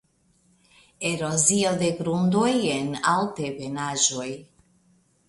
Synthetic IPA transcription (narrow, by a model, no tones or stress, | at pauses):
eɾozioðeɡɾund̪ojena̰lt̪ebenaʒoj